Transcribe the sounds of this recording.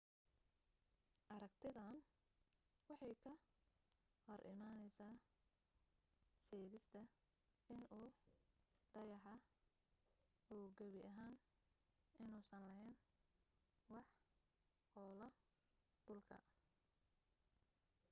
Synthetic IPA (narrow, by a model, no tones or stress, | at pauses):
ʔɐɾɐɡt̪ʰɪðɐn | wɑħɑjkʰɐ | hɔɾʔɪ̰maːnɛjsaː | sɛːɣɪst̪ʰɐ | ɪnʔuː | d̪̥ɐjɑħɑ | uːɡɐβɪʔɐɦaːn | ʔɪnuːsɐnlɐɦɛjn | wɑħ | hɔːlɐ | d̪̥ʊlkʰɐ̰